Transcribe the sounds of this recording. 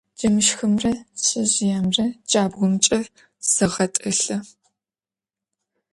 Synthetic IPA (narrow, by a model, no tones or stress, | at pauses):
d͡ʒɐmɨʃxɨmrɐɕʼɐʑjaːmrɐd͡ʒʼaːbɣʷʊmt͡ʃʼɐr | sɨʁɐtʼɨɬɐ